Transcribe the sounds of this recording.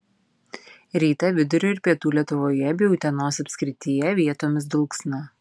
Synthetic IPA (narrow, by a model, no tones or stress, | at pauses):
ɾʲiːt̪ɐʋʲɪd̪ʊɾʲoːɪɾpʲiɛt̪uːlʲiɛt̪ʊʋoːjɛbʲɛːjuʊt̪ʲɛnoːsɐpʲsʲkʲɾʲɪt̪ʲijɛʋʲiɛt̪oːmʲɪsd̪ʊlˠksnɐ